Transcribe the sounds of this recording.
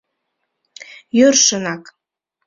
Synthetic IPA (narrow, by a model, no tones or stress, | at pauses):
jørʃənɑk